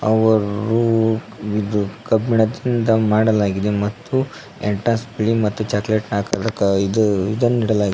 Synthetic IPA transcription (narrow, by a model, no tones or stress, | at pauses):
ɐʋɐɾu | id̪ukɐbiɳɐd̪ind̪ɐmaːɽɐlaːɡid̪emɐt̪ːu | eɳʈɾɐnspiɭimɐt̪ːut͡ʃaːkleʈnaːkɐd̪ɐkːɐid̪id̪ɐnːiːɽɐlaːɡid̪